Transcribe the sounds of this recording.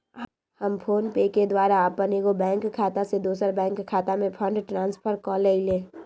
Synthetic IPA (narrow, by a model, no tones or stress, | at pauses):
həmpʰoːnpeːked̪waːɾaːpənekobɛ̃ːŋkkʰːaːt̪ased̪oːsəɾbɛ̃ːŋkkʰːaːt̪amẽpʰə̃ɳɖʈɾãːnspʰəɾkɔːleileː